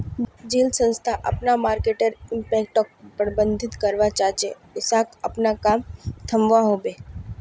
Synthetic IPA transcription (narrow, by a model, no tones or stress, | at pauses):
d͡ʒeːlsə̃nst̪ʰaʔɐ̰pnamaːɾkeːʈəɾɪmpɛːk̚ʈɔːk̚pɾəbə̃nd̪ʱɪt̪kɐɾʋat͡ʃaːt͡ʃḛː | ɪsaːkɐpnakaːmt̪ʰəmʋaɦoːbeː